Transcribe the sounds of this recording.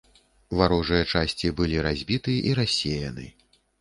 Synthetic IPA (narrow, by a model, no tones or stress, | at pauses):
vaɾɔʐɨjɐt͡ʂasʲt͡sʲibɨlʲiɾazʲbʲit̪ɨʔiɾasʲejɐnɨ̰